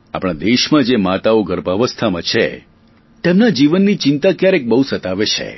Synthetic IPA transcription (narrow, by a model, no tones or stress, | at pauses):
a̰pɽ̃ad̪eʃmãd͡ʒemat̪aoɡəɾbaʋəst̪ʰamãt͡ʃʰḛ | t̪emnad͡ʒiʋənːit͡ʃɪnt̪akjaɾek̚bəɦusət̪aʋet͡ʃʰḛ